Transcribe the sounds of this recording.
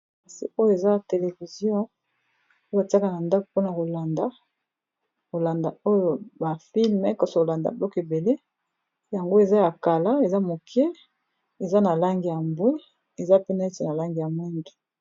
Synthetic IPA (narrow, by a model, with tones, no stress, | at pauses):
a˨sḭ˨o˦jo˦e˨za˦te˨le˨vi˨zjɔ̃˦ | o˦ja˨ti˦a˦ka˦na˨nda˦ko̥˨po˦na˨ko˨la˨nda˦ | ko˨la˨nda˨o˦jo˨ba˨fi˦lmɛ˨˦kɔ˦so˨o˨la˨nda̰˨blɔ˦ke˨be˨le˦ | ja˨ŋɡo˦e˨za˦ja˨ka˨la˦e˨za˦mo˨kʰɛ˦ | e˨za˦na˨la˦ŋɡi˨ja˨mbwe˦ | e˨za˦pe˦na˨e˦te˨na˨la˦ŋɡi˨ja˨mwɛ˦ndu˨